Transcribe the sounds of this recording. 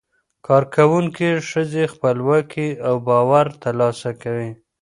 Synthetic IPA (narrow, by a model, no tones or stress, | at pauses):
kʰɑɾkawuŋkiʂəzexpəlwəkʰeawbɑwaɾt̪alɑsakawi